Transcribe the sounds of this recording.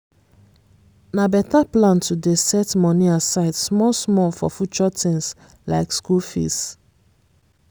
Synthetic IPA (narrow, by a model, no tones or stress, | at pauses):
nabɛtaplãntʰudesɛtmɔniasaɪdsmɔsmɔlfɔ̰fut͡ʃɔtʰĩŋs | laɪkskulfḭs